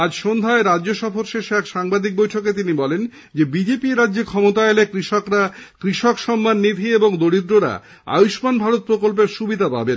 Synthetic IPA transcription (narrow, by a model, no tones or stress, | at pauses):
ad͡ʑʃond̪ʱaeɾadːoʃɔfoɾʃeʃɛkʃaŋbad̪ʱik̚bojʈʰoket̪inibɔlen | d͡ʑebid͡ʑepiɾadːʑekʰɔmot̪aelekɾiʃokɾakɾiʃokʃɔmːanːid̪ʱieboŋd̪oɽid̪ɾoɾa̰ | a̰juʃmanbʱaɾot̪̚pɾokolp̬eɾʃubid̪ʱapa̰ben